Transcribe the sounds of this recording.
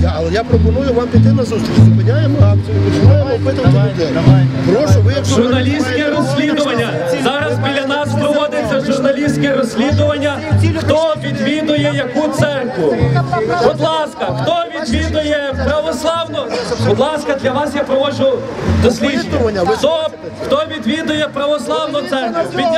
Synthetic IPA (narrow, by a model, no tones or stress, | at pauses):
ɐlˠɛjapɾɔpɔnujʊʋampʲit̪ɪnɐzust̪ɾʲit͡ʃzʊpɪnʲajemat͡ʃ̪ɔmɔpɪt̪ɐt̪ʲɐd̪ɛɔʋʒʊrnɐlʲisʲt̪ʲkɛɾɔsʲlʲid̪ʊʋɐnʲːɐ | zzɑɾɐzbʲilʲɐnɑspɾɔʋɔd̪ɪt͡sʲːɐʒʊrnɐlʲisʲt̪ʲkɛɾɔsʲlʲid̪ʊʋɐnʲːɐ | xt̪ɔʋʲid̪ʋʲid̪ʊjɛjɐkut̪sɛrkʋʊ | bɔd̪lˠɑskɐxt̪ɔʋʲid̪ʋʲid̪ʊjɛpɾɐʋɔslˠɑwnʊbɔd̪lˠɑskɐd̪lʲɐʋɑsjapɾɔʋɔʒʊd̪ɔsʲlʲinʲʊxt̪ɔ | xt̪ɔʋʲid̪ʋʲid̪ʊjɛpɾɐʋɔslˠɑwnʊt̪sɛrkʊʋʲid̪